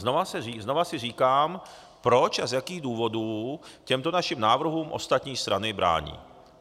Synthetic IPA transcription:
novasɛrizno̞vasɪriːkaːm | pɾo̞t͡ʃazjakiːɣduːvo̞duːcɛmt̪onaʃɪmnaːvr̩ɦuːmʔo̞̰st̪at̪ɲiːst̪ɾanɪbɾʔa̰ːɲḭː

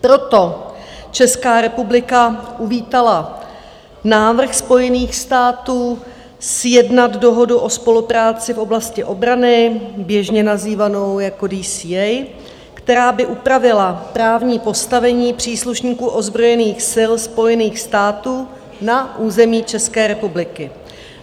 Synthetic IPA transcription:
pɾo̞t̪o̞t͡ʃɛskaːɾɛpublɪkaʔuviːt̪ala | naːvr̩xspo̞jɛniːxst̪aːt̪uː | sjɛdnad̪do̞ɦo̞duʔo̞spo̞lupɾaːt͡sɪfʔo̞blascɪʔo̞bɾanɪbjɛʒɲɛnaziːvano̞wjako̞diːsiːɛj | kt̪ɛɾaːbɪʔupɾavɪlapɾaːvɲiːpo̞st̪avɛɲiːpr̝̥iːsluʃɲiːkuːʔo̞zbɾo̞jɛniːxsɪlspo̞jɛniːxst̪aːt̪uː | naʔuːzɛmiːt͡ʃɛskɛːɾɛpublɪkɪ

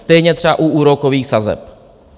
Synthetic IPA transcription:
st̪ɛjɲɛt̪r̥ɛa̰ʔuʔuːɾokoviːxsazɛ̰p

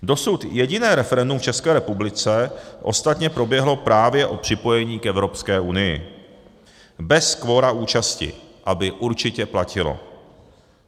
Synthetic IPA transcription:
do̞sut̪jɛɟɪnɛːɾɛfɛɾɛndumft͡ʃɛskɛːɾɛpublɪt͡sɛʔo̞̰st̪at̪ɲɛpɾo̞bjɛɦlo̞pɾaːvjɛʔo̞pr̝̥ɪpo̞jɛɲiːkɛvɾo̞pskɛːʔunɪjɪ̰ | bɛskvo̞ːɾauːt͡ʃascɪ̰ʔabɪʔuɾt͡ʃɪcɛplacɪlo̰

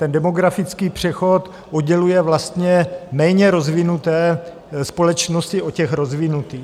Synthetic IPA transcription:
t̪ɛndɛmoɡɾafɪt͡skiːpr̝̥ɛxo̞t̪ | ʔod̪ɟɛlujɛvlast̪ɲɛmɛːɲɛɾozvɪnut̪ɛː | spolɛt͡ʃnoscɪʔocɛxɾozvɪnut̪iː

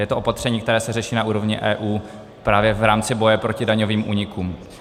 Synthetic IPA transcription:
jɛt̪oo̞pat̪r̥ɛɲiːkt̪ɛɾɛːsɛrɛʃiːnaʔuːɾo̞vɲɪʔɛːʔuː | pɾaːvjɛvɾaːmt͡sɪbo̞jɛpɾo̞cɪdaɲoviːmʔuːɲɪkuːm

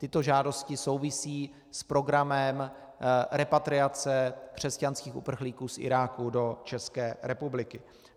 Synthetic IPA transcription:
t̪ɪt̪o̞ʒaːdo̞scɪso̞wvɪsiː | spɾo̞ɡɾamɛm | ɾɛpat̪ɾɪat͡sɛkr̝̥ɛscanskiːxṵpr̩xliːkuːsʔɪ̰ɾaːkudo̞t͡ʃɛskɛːɾɛpublɪkɪ

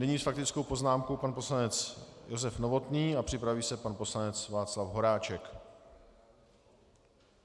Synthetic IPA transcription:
nɛɲiːsfakt̪ɪt͡skowpo̞znaːmkowpanpo̞slanɛt͡sjo̞zɛfno̞vo̞t̪niːapr̝̥ɪpɾaviːsɛpanpo̞slanɛt͡svaːt͡slafɦo̞ɾaːt͡ʃɛk

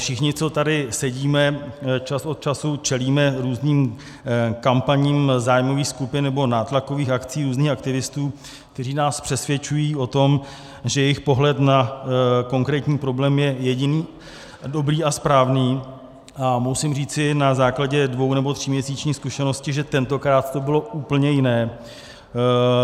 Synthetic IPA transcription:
fʃɪxɲɪt͡so̞t̪adɪsɛɟiːmɛt͡ʃasot̪̚t͡ʃasut͡ʃɛliːmɛɾuːzniːm | kampaɲiːmzaːjmo̞viːxskupɪnːnɛbo̞naːt̪lako̞viːxakt͡siːɾuːzniːxak̚t̪ɪvɪst̪uː | k̚t̪ɛriːnaːspr̥ɛsvjɛt͡ʃujiːʔo̞t̪o̞m | ʒɛjɛjɪxpo̞ɦlɛt̪nako̞ŋkɾɛːt̪ɲiːpɾo̞blɛːmjɛjɛɟɪniː | do̞bɾiːʔaspɾaːvniː | ʔamusɪmriːt͡sɪnazaːklaɟɛdvo̞wnɛbo̞t̪r̝̥ɪmɲɛsiːt͡ʃɲiːskuʃɛno̞scɪʒɛt̪ɛnt̪o̞kɾaːt̪t̪o̞bɪlo̞ʔuːpl̩ɲɛjɪnɛː

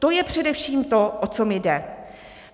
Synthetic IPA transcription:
t̪o̞jɛpr̝̥ɛdɛfʃiːmt̪o̞ʔot͡somɪdɛ

